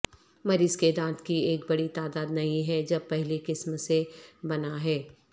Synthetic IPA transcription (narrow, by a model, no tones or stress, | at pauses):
mɐɾiːzked̪ãːt̪kieːk̚bɐɽit̪aːd̪aːd̪nɐɦĩɦɛd͡ʒɐb̚pɛɦlekɪsmsebɐnaɦɛː